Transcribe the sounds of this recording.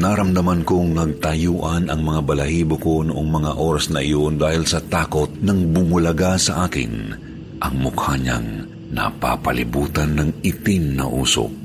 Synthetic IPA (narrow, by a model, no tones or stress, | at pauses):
naɾɐmd̪ɐmankoŋnɐɡ̚t̪ɐjuːʔɐnɐŋmɐŋabɐlɐhiːboko̞nʊʔoŋmɐŋaʔoːɾɐsnɐʔɪjo̞nd̪aːhɪlsɐt̪aːko̞t̪̚nɐŋbʊmʊlɐɡasɐʔaːkɪ̰n | ʔɐŋmʊkhaɲa̰ŋ | nɐ̰pa̰pɐlɪbuːt̪ɐnːɐŋɪt̪ɪmnɐ̰ʔṵːso̰